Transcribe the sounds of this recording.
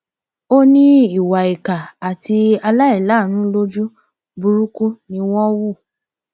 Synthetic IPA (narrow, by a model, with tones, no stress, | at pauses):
o˦nĩ˦i˨wa˨i˨ka˨a˨ti˧a˧la˦i˦˨la˨˦˨ñũ˦lo˦d͡ʒu˦ | bu˧ɾu˦ku˦nĩ˧wɔ̃˦wu˦˨